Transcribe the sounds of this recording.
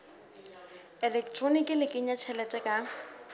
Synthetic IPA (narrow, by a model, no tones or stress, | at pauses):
ɛlɛktʰʼronikʼɪlɪkʼɪɲat͡ʃʰɛlɛtʼɛkʼa